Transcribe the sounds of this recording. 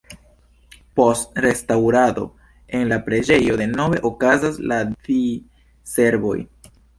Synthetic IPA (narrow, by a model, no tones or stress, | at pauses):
po̞stɾe̞stawɾado̞̰ | e̞nlapɾe̞d͡ʒe̞jo̞de̞no̞ve̞̰ʔokazaslati | se̞ɾbo̞̰j